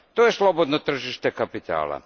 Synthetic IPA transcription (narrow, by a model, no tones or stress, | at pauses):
t̪ojeslˠobod̪not̪r̩ʒiʃt̪ekapit̪a̰ːla̰